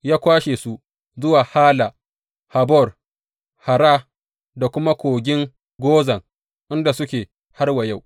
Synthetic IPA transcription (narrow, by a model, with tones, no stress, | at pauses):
jaː˦kʷaː˦ʃe˨su˦ʔ | zʊ˦waː˨haː˦la˨ | ha˨bɔ˦˨r | ha˨ɾaː˦ | da˨kʷʊ˦ma˦kʷoː˨ɡʲɪ˦ŋ | ɡʷoː˦zɐ˨ŋ | ʔɪ˦nda˨sʊ˦kʲeː˨ | ha˦rwɐ˨ja˦˨w